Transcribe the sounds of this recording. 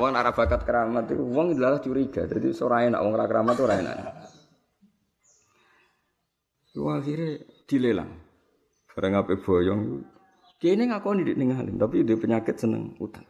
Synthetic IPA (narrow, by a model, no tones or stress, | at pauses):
wɔŋnaʔɾab̥a̤kat̪̚kəɾamat̪ṵwɔŋind̪əlalaht͡ʃuɾiɡ̥ad͡ʒad̪isoɾaɛna̰ʔwɔŋɾakəɾamat̪uɾaɛna̰ʔna̰ | juwafiɾed̪̥i̤lela̰ŋ | b̥a̤ɾəŋapeb̥ɔ̤jɔŋju | keineŋakɔnidɪʔnɪŋalḭmt̪apiud̪ɪhpəɲakɪt̪̚sənə̰ŋṵt̪a